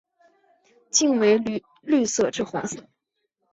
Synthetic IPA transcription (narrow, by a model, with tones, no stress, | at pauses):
t͡ɕi˥˩nwe˧˥ɪ˧ | ly˥˧sɤ˥˧ʈ͡ʂɻ̩˥˩xwa˧˥s